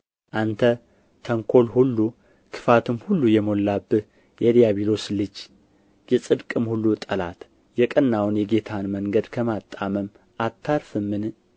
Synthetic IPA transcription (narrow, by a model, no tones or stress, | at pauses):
ʔant̪ʰə | t̪ʰəŋkʰo̞lhulːu | kʰɨ̥fat̪ʰɨmhulːujɛmo̞lːabːɨh | jɛd̪ijaβilo̞slɨd͡ʒ | jɛsʼɨd̪kʼɨmhulːut̪ʼəla̰t̪ | jɛkʼənːawnjɛɡe̞t̪ʰanməŋɡəd̪kʰəmat̪ʼːaməm | ʔat̪ʰːaɾfɨmːɨn